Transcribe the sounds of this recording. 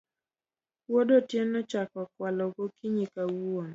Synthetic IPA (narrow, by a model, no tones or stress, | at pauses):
wodotjɛnɔt͡ʃakɔkwalɔɡokiɲikawuon